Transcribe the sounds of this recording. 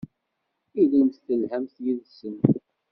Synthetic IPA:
iðənt̪θəlhæmθjiðsən

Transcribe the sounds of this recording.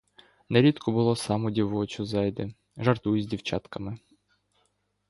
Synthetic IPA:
nɛɾʲid̪kʰɔbʊlˠɔsɑmʊdʲiʋɔt͡ʃʲʊzɑjd̪ɪ | ʒɐrt̪ujʊzʲdʲiwt͡ʃɑt̪kɐmɪ

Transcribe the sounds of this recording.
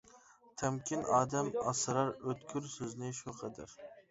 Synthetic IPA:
t̪ʰɛmkʲinɑːd̪ɛmɑ̰sɨɾɑɾøt̪kʲʰyɾsøznɪʃuqʰɑd̪æ̰ɾ

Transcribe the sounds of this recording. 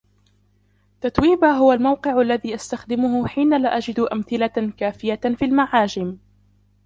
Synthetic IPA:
t̪at̪wiːbaɦʊwalmawqɨʕʔalːaðiːʔast̪axd̪ɪmʊhʊħiːnalaʔad͡ʒɪd̪ʔamθɪlakaːfɪjafiːlmaʕaːd͡ʒɪm

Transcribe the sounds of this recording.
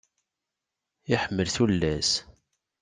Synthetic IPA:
jiħəmːəlθulːæs

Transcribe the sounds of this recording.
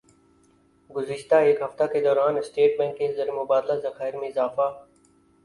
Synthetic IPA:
ɡʊzɪʃt̪aeːkɦɐft̪aked̪ɔːɾaːnɪsʈeːʈbɛ̃ːŋkẽzɐɾemʊbaːd̪lazɐxaːɪɾmẽɪzaːfaː

